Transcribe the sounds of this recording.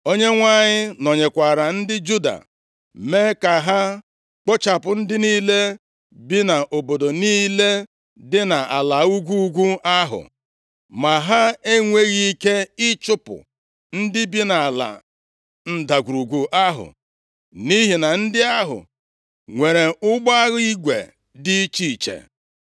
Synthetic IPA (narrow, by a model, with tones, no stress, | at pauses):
o˦ɲe˦ŋʷa˦ɲɪ˦nɔ˨ɲe˨kʷa˨ɾa˨n̩˦dɪ˦d͡ʒu˦da̰˨ | me˦ka˨ɦa˦ | k͡pɔ˦t͡ʃa˨pʊ˨n̩˦dɪ˦niː˦le˦ | bi˦na˨ʔo˨bo˨do˨niː˦le˦ | dɪ˦na˨a˨la˨u˦ɡʷu˦u˦ɡʷu˦a˦ɦʊ̰˨ | ma˨ɦa˦e˦ŋʷe˦ɣi˦i˦ke˦ɪ˦t͡ʃʊ˦pʊ̰˨ | n̩˦dɪ˦bi˦na˨a˨la̰˨ | n̩˦da˨ɡʷu˨ɾu˨ɡʷu˨ʔa˦ɦʊ̰˨ | ni˦ɦi˨na˨n̩˦dɪ˦a˦ɦʊ̰˨ | ŋʷe˨ɾe˨ʊ˦ɡ͡ba˦ɣi˦ɡʷḛ˨ | dɪ˦t͡ʃi˦˨t͡ʃḛ˨